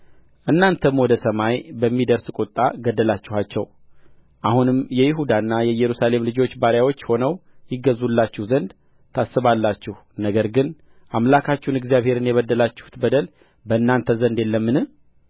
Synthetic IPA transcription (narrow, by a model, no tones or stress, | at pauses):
ʔɨnːant̪ʰəmwɔd̪əsəmajbəmːid̪əɾskʼot̪ʼːaɡəd̪ːəlat͡ʃːɪhat͡ʃːɛw | ʔahunɨmjɛjɪɦud̪anːajɛjɛɾusale̞mlɨd͡ʒo̞t͡ʃːbaɾjawo̞t͡ʃːho̞nəwjɪɡəzulːat͡ʃːɪhzənd̪ | t̪ʰasːɨβalːat͡ʃːɪh | nəɡəɾɡɨn | ʔamlakʰat͡ʃːɪhunɪɡzijaβhe̞ɾɨnjɛβəd̪ːəlat͡ʃːɪ̥hu̥t̪bəd̪əl | bəɨnːant̪ʰəzənd̪jelːəmːɨnɨ